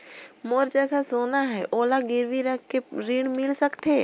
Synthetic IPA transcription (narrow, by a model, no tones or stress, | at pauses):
moːɾd͡ʒəɡasoːnaɦɛʔoːlaɡɪɾʋiɾəkkeɾiːɳmɪlsəkt̪ʰeː